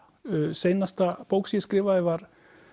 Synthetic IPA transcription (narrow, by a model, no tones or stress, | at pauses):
sejnast̪apowksjɛskɾɪːvaðɪvaɾ̥